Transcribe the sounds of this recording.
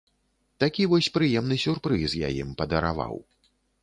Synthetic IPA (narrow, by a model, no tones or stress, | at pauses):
t̪akʲivɔsʲpɾɨjɛmn̪ɨsʲurpɾɨsja̰jḭmpɐd̪ɐɾa̰va̰w